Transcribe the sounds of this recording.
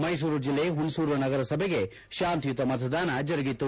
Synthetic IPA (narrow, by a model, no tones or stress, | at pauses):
mɐjs̬uːɾud͡ʒilːeɦunsuːɾuɐnɐɡɐɾɐsɐbʱeɡe̞ | ʃaːnt̪jut̪ːɐmɐt̪ʰɐd̪aːnɐd͡ʒɐɾɐɡit̪ːu